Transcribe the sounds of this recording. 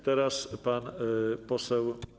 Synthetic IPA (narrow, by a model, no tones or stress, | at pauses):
t̪ɛɾaspanpɔsɛw